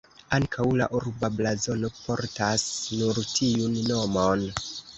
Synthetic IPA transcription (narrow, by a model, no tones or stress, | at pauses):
aŋkʰawla̰ʔuɾbablazo̞no̞pʰo̞ɾtasnuɾtʰiunno̞mon